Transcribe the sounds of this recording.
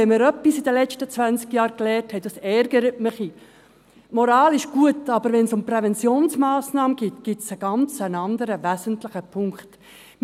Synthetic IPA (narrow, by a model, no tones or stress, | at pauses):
ɛməɾœpːisidəlɛt͡ʃtət͡sʋænt͡skjɑːɾklɛːɾthɛtɑsɛɾɡ̥əɾətməχi | mɔɾɑːlɪʃɡ̥uətɑbəɾʋɛnsʊmprɛvɛnt͡sjoːnsmɑːsnɑːməɡ̥ɪtɡ̥ɪtsəɡ̥ɑnt͡sənɑnd̪əɾəʋæzəntlɪχəpʰʊŋkt